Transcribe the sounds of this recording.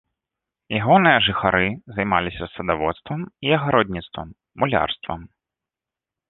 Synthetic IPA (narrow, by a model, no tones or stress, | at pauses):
jaɣɔnɨjɐʐɨxaɾɨzɐjmalʲisʲɐsɐd̪avɔt̪st̪vɐmiɐɣaɾɔd̪ʲnʲit̪st̪vɐ̰mː | ulʲa̰rst̪vɐ̰m